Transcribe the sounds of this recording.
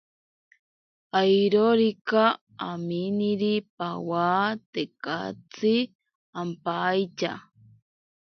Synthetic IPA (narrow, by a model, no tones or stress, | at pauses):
ajɾoɾikaː | miniɾipawat̪eka̰t͡si | ampajt͡ʃa̰